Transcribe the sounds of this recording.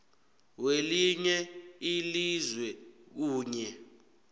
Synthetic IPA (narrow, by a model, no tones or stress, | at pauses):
weliɲɛilizwɛk̬uːɲɛ